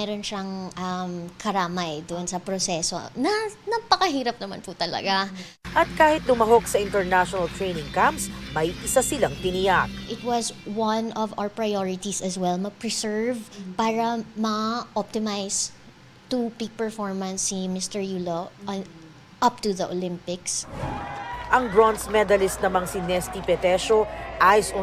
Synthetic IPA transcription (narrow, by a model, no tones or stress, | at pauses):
ɛɾonʃɐŋʔɐmkʰɐɾaːmɐjd̪ʊʔnsɐpɾosɛso̰nɐnɐɡ̚pɐkɐhiːɾɐp̚nɐma̰nput̪ɐlɐ̰ɡa | ʔɐt̪̚kaːhɪt̪̚lʊmɐɦoksɐʔɪ̃nt̪ɛɹnaʃonɐlt̪ɹejnɪŋkampsmɐjʔɪsasɪlaŋt̪ɪnijak̚ʔɪt̪̚wɐswɐnʔɔva̰wəpɹɐjoɹɪt̪isɐswɛlmɐɡ̚pɹɪsɛɹvpaːɹɐmɐʔɔp̚t̪ɪmajs | t̪upik̚pɛɹfɔɹmɐ̃nsːimɪst̪ɛɹjulo | ʔɐp̚t̪uðɐʔolɪ̃mpɪks | ʔɐŋbɹɔnsmɛd̪ɐlɪst̪̚nɐmaŋsinɛst̪ipɛt̪ɛʃoʔajso